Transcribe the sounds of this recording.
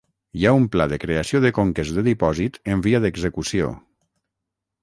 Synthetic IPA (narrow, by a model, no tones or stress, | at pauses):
jaumplaðəkɾeasioðəkoŋkezdəðipɔzit̪əmbiaðəɡzəkusio̰